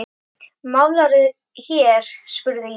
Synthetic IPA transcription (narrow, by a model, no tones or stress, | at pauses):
mawlaɾʏð | çjɛɾ̥spʏɾðɪ